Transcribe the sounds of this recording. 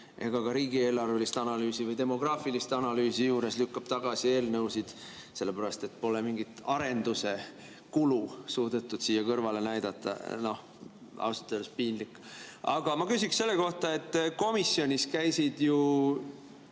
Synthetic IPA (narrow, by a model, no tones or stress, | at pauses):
ʔe̞̰ɡ̥ɑkɑɾiːɡie̞ːlɑrvelist̪ɑnɑlyːsivɤjd̪e̞mo̞ɡ̥rɑːfilist̪ɑnɑlyːsijuːɾe̞slykːɑb̥t̪ɑɡ̥ɑsie̞ːlnɤwsid̪̥ | se̞lːe̞pæɾɑst̪e̞t̪ːpo̞le̞miŋɡit̪ˑɑɾe̞nd̪use̞ | kulusuːd̪e̞t̪ːˑud̪̥siːjːɑkɤrvɑle̞næjd̪̥ɑt̪ːˑɑ̰no̞h | ɑ̰wsɑ̥t̪ːˑed̪espiːnlikːˑ | ɑɡ̥ɑmɑkysʲiksse̞lːe̞ko̞ht̪ɑe̞t̪ˑːko̞misːio̞nʲiskæjsid̪̥ju